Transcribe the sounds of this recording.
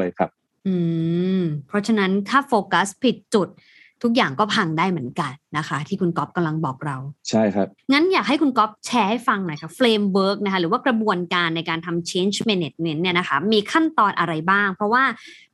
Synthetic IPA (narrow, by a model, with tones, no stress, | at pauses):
ə˨jkʰa˦˥p̚ | ʔɯː˧˩ | pʰɾɔ˦˥t͡ɕʰa˧na˦˥nt̪ʰaː˥˩foː˧ka˦˥spʰi˨˩t̪̚t͡ɕu˨˩t̪̚ʰː | u˦˥k̚jaː˨˩ŋkɔː˥˩pʰa˧ŋdaː˥˩jmɯ˩˦nka˧nːa˦˥kʰa˦˥t̪ʰiː˥˩kʰu˧nkɔ˦˥p̚ka˧mla˧ŋbɔː˨˩k̚ɾa˧wt͡ɕʰa˥˩jkʰa˦˥ŋa˦˥njaː˨˩k̚ɦa˥˩jkʰu˧nkɔ˦˥p̚t͡ɕʰɛː˦hfa˧ŋna˨˩jkʰa˦˥fleː˧mwɤː˦˥k̚na˦˥kʰa˦˥ɾɯː˩˦waː˥˩kɾa˧bu˧ənkaː˧nːa˧jkaː˧nt̪ʰa˧mt͡ɕʰeː˦˥nt͡ɕʰmeː˧ne˨˩t̪̚ŋe˧˥nːi˥˩ɐna˦kʰa˦˥miː˧kʰa˥˩nt̪ɔː˧nʔa˧ɾa˧jbaː˥˩ŋpʰɾɔ˦˥waː˥˩